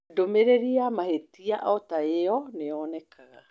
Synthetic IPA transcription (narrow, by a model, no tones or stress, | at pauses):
domeɾeɾiamahetiaʔɔtaeɔneɔnɛkʰaɣa